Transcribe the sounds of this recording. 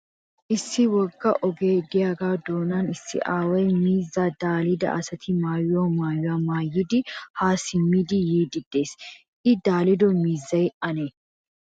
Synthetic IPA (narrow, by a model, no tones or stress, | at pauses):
ʔɪsːɪwɔɡːɐʔɔɡe̞ːd̪ɪjaːɡaːd̪oːnɐnɪsːɪ̰ʔaːwɐjmiːzːaːd̪aːlɪd̪ɐ̰ʔɐsɐt̪ʰɪmaːjʊwaːmaːjʊwaːmaːjːɪd̪ɪhaːsɪmːid̪ɪjiːd̪ɪd̪ːe̞ːs | ʔɪd̪aːlɪd̪ɔmiːzːɐjʔɐne